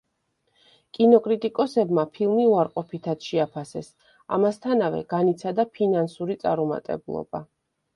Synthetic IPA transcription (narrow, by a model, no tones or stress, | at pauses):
kʼinɔkʼɾit̪ʼikʼɔsɛbmapʰilˠmiuaɾqʼɔpʰit̪ʰat̪sʃɛapʰasɛs | a̰mast̪ʰanavɛ̰ɡanit̪sʰad̪apʰinansuɾit̪sʼaɾuma̰t̪ʼɛ̰bulˠɔ̰ba̰